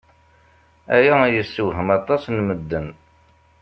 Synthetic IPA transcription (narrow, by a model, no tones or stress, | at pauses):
æjæjəsːəɦəmɑt̪ˤːɑsnməd̪ːən